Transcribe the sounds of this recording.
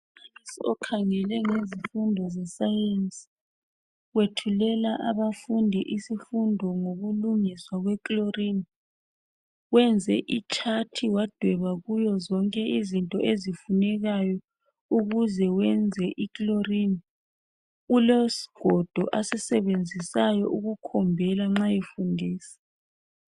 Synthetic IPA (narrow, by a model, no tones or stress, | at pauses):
upʰaisiɔkʰaŋɛlɛŋezifundʱɔzɛsajent͡sʼi̥ | wetʰulɛlaʔaβafundʱiʔisifundʱɔŋoɣuluŋiswaɣwɛkʼlorini | wɛnd͡zʱɛʔit͡ʃʼʰatʰiwad̥ʱwɛβaɣujɔzɔŋkʼɛizintʼɔʔezifunɛɣajɔ | uɣuzɛwɛnd͡zʱɛʔikʼlorini | ulosi̥ɡ̥ʱɔd̥ʱɔʔasɛsɛβend͡zʱisajɔʔuɣukʰɔmbʱɛlaŋ͡ǁajifundʱiːsɛ̥